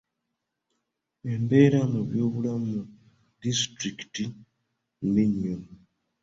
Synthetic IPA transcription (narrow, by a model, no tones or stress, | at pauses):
e̞mbe̞ːɾamuβjo̞ːβulamu | distɾikti | miɲo